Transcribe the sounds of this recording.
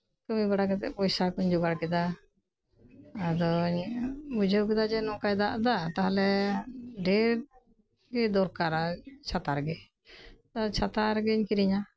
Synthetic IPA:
kəmibaɽakɛt̪ɛ̰ʔpɔjsakɔɲd͡ʒɔɡaɽkɛd̪a | d̪ɔɲbud͡ʒəwkɛd̪ad͡ʒɛnɔ̃kajd̪aʔd̪at̪aɦalɛ | ɖɛɾ | ɡɛd̪ɔɾkaɾat͡ʃʰat̪aɾɡɛ | ɔt͡ʃʰat̪aɾɡɛɲkiɾiɲa

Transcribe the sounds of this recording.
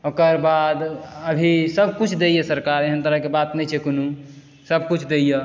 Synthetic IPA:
okəɾbad̪əbʱisəb̚ʱkut͡ʃʰd̪ejesəɾkaɾeɦənt̪əɾəɦkebat̪nɛt͡ʃʰɛkonu | səbʱkut͡ʃʰd̪eije

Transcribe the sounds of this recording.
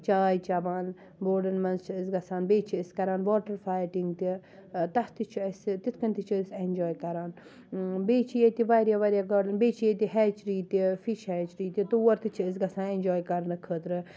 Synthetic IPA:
t͡ʃaːjt͡ʃɐbaːn | boːɖɐnmɐnzt͡ʃʰiəsɡɐsaːnbeːt͡ʃʰiəskɐɾaːnʋoːʈɐɾfaːjʈiŋɡt̪it̪ɐht̪it͡ʃʰiɐst̪it̪ʰkɐnt̪it͡ʃʰisenʲd͡ʒoːjkɐɾaːn | beːt͡ʃʰijet̪iʋaɾjaːʋaɾjaɡɐːlɐnbeːt͡ʃʰijet̪iɦɛːt͡ʃɾiːt̪ifiʃhɛːt͡ʃɾiːt̪ʲit̪uwɐɾt̪it͡ʃʰiəs̬ɡɐsãːnẽnʲd͡ʒoːjkɐɾnɨkʰəːt̪ɾɨ

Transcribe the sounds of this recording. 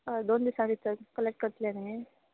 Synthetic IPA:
d̪ond̪isãʋit͡səkəlek̚ʈ̚kəɾt̪lanai

